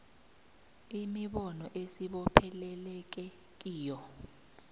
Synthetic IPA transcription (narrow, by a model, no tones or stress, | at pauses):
imiɓɔnɔʔesiɓɔpʰɛlɛlɛk̬ɛ | k̬ʼiːjɔ